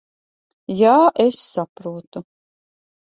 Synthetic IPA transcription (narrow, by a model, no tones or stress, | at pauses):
jaːʔesːapɾuːt̪u